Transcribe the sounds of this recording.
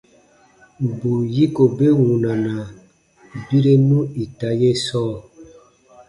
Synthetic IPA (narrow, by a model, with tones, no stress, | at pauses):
bu˨ji˦ko˨be˦wu˨na˨na˨ | bi˦ɾe˦nũ˦i˨ta˦je˦sɔː˦˨